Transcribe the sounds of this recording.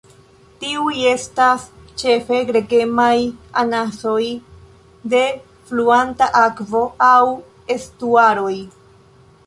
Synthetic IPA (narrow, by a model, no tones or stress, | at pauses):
tiuje̞stast͡ʃe̞fe̞ɡɾe̞ɡe̞majanaso̞j | de̞ | fluantaʔakvo̞aw | e̞stuaɾo̞j